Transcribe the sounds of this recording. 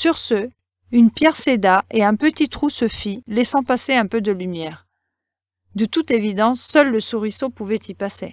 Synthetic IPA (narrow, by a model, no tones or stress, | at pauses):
syʁsø | ynpjɛʁsed̪aeɛ̃pət̪it̪χusəfilɛsɑ̃paseɛ̃pød̪əlymjɛːʁ | d̪ət̪ut̪evid̪ɑ̃sːœlːəsuʁisopuvɛt̪ipase